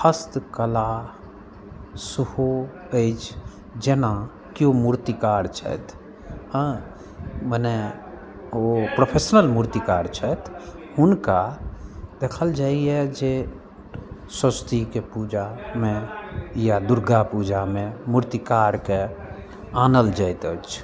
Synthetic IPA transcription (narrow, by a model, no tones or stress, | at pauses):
pʰəst̪kəla | suho | əɪt͡ʃʰ | d͡ʒena | kijomuɾt̪ikaɾt͡ʃʰə̰t̪ʰ | ə̃ | mənɛ | opɾopʰesnəlmuɾt̪ikaɾt͡ʃʰət̪ʰhunka | d̪̥ekʰəld͡ʒaiɛd͡ʒe | səst̪ʰikepud͡ʒamejad̪uɾɡapud͡ʒamemuɾt̪ikaɾke | anəld͡ʒajt̪ət͡ʃʰ